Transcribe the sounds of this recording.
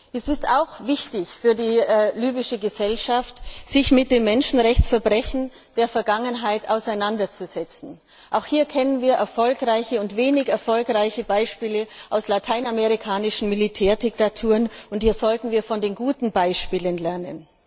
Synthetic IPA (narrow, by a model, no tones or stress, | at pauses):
ʔɛsɪstaʊxv̥ɪçtɪçfyːɐdiːlyːbɪʃəɡəzɛlʃaftz̥ɪçmɪt̚d̥eːmːɛnʃn̩ʁɛçt͡sfɛɐbʁɛçn̩ | d̥eːɐfɛɐɡaŋənɦaɪtaʊsaɪnandɐt͡suzɛt͡sn̩ | ʔaʊxhiːɐkʰɛnənviːɐʔɛɐfɔlkʁaɪçəʊntv̥eːnɪçɛɐfɔlkʁaɪçəbaɪʃpiːləʔaʊslatʰaɪnameʁ̞ikʰaːnɪʃn̩militʰɛːɐdɪktatʰuːʁənʊnthiːɐzɔltn̩viːɐfɔndeːnɡuːtn̩baɪʃpiːlənlɛɐnə̰n